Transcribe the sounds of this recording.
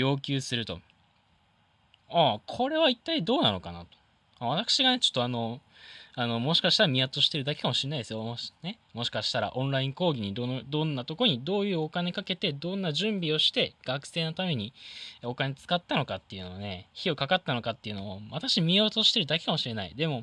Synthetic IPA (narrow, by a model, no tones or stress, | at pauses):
jo̞ːkʲɨːsɨɾɯ̟t̪o̞̰ | akʰo̞ɾe̞βait̪ːaid̪o̞ːnano̞̰ka̰na̰t̪o̥ | aβ̞at̪akɕiɡane̞t͡ɕo̥t̪ːoano̞ | ano̞mo̞ɕi̥kaɕi̥t̪aɾamʲiat̪o̞ɕi̥t̪e̞ɾɯ̟d̪akekamo̞ɕiɾenaid̪esɨjone̞ | mo̞ɕi̥kaɕi̥t̪aɾa̰ʔõ̞ñɾaĩŋko̞ːɡʲiɲ̟id̪od̪õ̞nːat̪o̞koɾɲ̟id̪o̞ːjɯ̟ːo̞kane̞kake̞t̪e̞d̪õ̞nːaʑɨ̃mbʲio̞ɕi̥t̪e̞ɡ̥akɯ̟̥se̞ːno̞t̪ame̞ɲ̟io̞kane̞t͡sɨ̥kat̪ːano̞kat̪ːe̞iɯ̟no̞ane̞çio̞kakat̪ːano̞kat̪ːe̞iɯ̟no̞βaβat̪akɕimʲiat̪o̞ɕi̥t̪e̞ɾɯd̪ake̞̥kamo̞ɕiɾe̞naḭd̪e̞mo̞